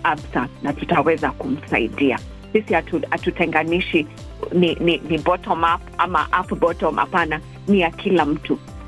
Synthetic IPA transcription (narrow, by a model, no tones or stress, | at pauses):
absanatutawɛzakum̩sa̰ḭɗia̰ | sisihatuatutɛŋɡaniʃi | nininibɔtɔmapama̰ʔapbɔtɔmʔa̰pana | nijakʰilam̩tu